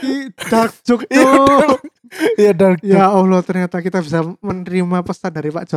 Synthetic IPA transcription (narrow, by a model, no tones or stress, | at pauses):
id̥ark̚d͡ʒʊk̚to | jadark̚jaɔlot̪ərɲat̪akit̪abisamənəɾimapəst̪adaɾipad͡ʒa